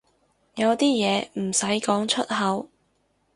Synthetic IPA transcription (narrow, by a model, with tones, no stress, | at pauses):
jɐ˨˧wt̪iː˥jɛː˨˧m̩˨˩sɐ˨˥jkɔː˨˥ŋt͡ʃʰɵ˥t̚ɦɐ˨˧˥w